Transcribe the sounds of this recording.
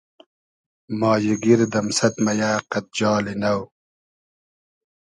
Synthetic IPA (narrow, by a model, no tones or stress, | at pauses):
mɑːjiɡiɾd̪ɐmsɐt̪mɐjaːqɐt̪̚d͡ʑɑːlinɐw